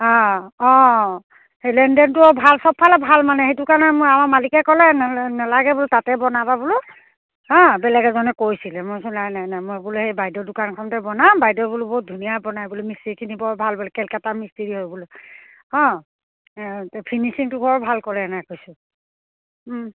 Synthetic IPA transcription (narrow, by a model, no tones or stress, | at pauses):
ɔ̃ɔ̃ | hejlɛndɛntʊɔbʱalsɔpʰːalɛbʱalmanɛhejtukaɹnɛmojamaɹmalikɛkɔlɛnnɛlaɡɛbʊlʊtatɛbɔnababulʊ | ɦɔ̃bɛlɛɡɛzɔnɛkojsilɛmosunajnajnajmojbuluhejbajdɔdʊkankʰɔmtɛbɔnãmbajdɔbulubot̚dʱunijabɔnajbulomisteɹikʰinibɔɹt̚bʱalbɔlɛkɛlkatamisteɹiɦojbɔlʊ | ɔ̃ | pʰinisiŋtʊɡʱɔɹɔbʱalkɔlɛnajkojsʊ